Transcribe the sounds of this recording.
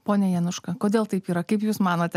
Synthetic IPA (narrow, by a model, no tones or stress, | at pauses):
poːnʲɛjɛnʊʃkɐkoːd̪ʲeːlˠt̪ɐɪpiːɾɐkɐɪpjuːsmɑːnoːt̪ʲɛ